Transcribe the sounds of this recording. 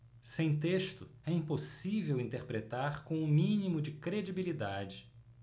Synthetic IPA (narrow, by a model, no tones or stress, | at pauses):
sẽj̃t̪eʃt̪ʊɛĩposivewĩnt̪eɾpɾet̪aɾkõw̃ʊ̃mĩnimʊd͡ʒɪkɾed͡ʒibilid̪ad͡ʒɪ